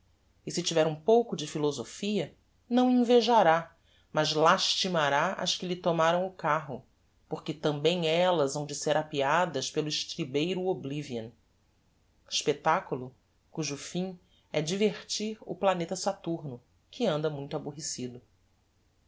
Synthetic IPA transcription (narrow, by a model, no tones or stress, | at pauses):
ɪsɪt͡ʃivɛɾũpowkʊd͡ʒɪfilozofiɐ | nɐ̃w̃ĩveʒaɾa | mɐzlaʃt͡ʃimaɾaʔɐ̰ʃkɪlɪt̪omaɾɐ̃w̃ʊkaɦʊ | poɾkɪt̪ɐ̃mbẽj̃ɛlɐzɐ̃w̃d͡ʒɪseɾapiad̪ɐʃpelʊɪʃt̪ɾibejɾʊobliviɐ̃n | iʃpet̪akulʊ | kuʒʊfĩ | ɛd͡ʒiveɾt͡ʃiɾʊ̰planet̪ɐsat̪uɾnʊ | kʰɪɐ̃nd̪ɐmũj̃t̪abuɦesid̪ʊ